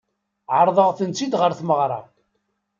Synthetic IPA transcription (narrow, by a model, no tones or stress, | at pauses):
ʕəɾˤðˤəʁθənt͡sːid̪ʁəɾθməʁɾˤɑ̰